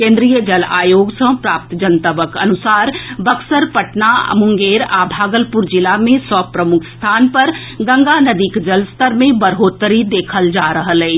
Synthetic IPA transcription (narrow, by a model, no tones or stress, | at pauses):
kẽːnd̪ɾijəd͡ʒɐla̰ːjoːɡsə̃pɾaːp̚t̪d͡ʒənt̪əbəkɐ̰nʊsaːɾbɐksəɾpəʈnaə̰mʊ̃ŋɡeːɾa̰ːbʱaːɡəlpuɾd͡ʒɪlamẽsɔpɾəmʊkʰst̪ʰaːnpɐɾ | ɡɐ̃ŋɡanəd̪iːkd͡ʒəlst̪əɾmẽbəɾɦoːt̪əɾid̪eːkʰəld͡ʒaːɾəɦəlɛː